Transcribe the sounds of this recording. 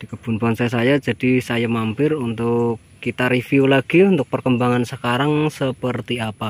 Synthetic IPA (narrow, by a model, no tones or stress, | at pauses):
d̥ikəb̥ṳnpɔnsɛs̬ajḁd͡ʒa̤d̥isajamampɪrunt̪ʊkːit̪aɾifiulaɡ̥iunt̪ʊk̚pərkəmbaŋansəkaɾaŋsəpərt̪iapa